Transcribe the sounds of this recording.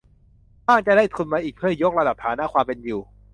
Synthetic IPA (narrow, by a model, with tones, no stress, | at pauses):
baː˥˩ŋt͡ɕa˨˩daː˥˩jt̪ʰu˧nmaː˧ʔiː˨˩k̚pʰɯ˥˩˨jo˦˥k̚ɾa˧da˨˩p̚t̪ʰaː˩˦naː˦˥˩kʰwaː˧mpe˧njuː˨˩